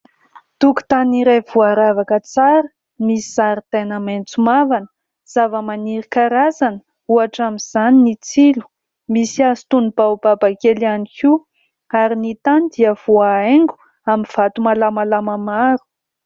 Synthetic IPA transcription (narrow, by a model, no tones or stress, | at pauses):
t̪uku̥t̪aniɾevuaɾavakət͡saɾə | misiz̥aɾit̪enəment͡sumavanə̥ | z̥avəmaniɾikaɾazanə̥ | uaʈ͡ʂamiz̥aninit͡silu̥ | misiazi̥t̪unub̥awbabakelianikʰi | aɾinit̪anid̪iəv̥uaeŋɡu̥ | amiv̥at̪umalamalaməmaɾu̥